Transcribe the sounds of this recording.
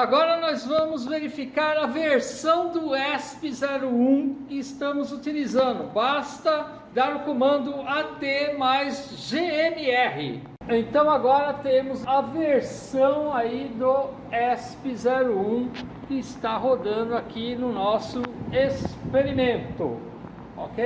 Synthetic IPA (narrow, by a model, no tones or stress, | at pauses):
aɡɔɾɐnɔzvɐ̃mʊzveɾifikaɾɐveɾsɐ̃w̃d̪ʊɛspɪzɛɾʊũkɪːst̪ɐ̃mʊzut͡ʃ̪ilizɐ̃nd̪ʊbast̪ɐ | d̪aɾʊkomɐ̃nd̪ʊat̪emajz | ʒeenɪɛhɪ̰ | ẽnt̪ɐ̃w̃aɡɔɾɐt̪ẽmʊzɐveɾsɐ̃w̃aid̪ʊ | ɛspɪzɛɾʊũkɪɪst̪aɦod̪ɐ̃nd̪ʊakinʊnɔsʊespeɾimẽnt̪ʊ̰ | o̰kej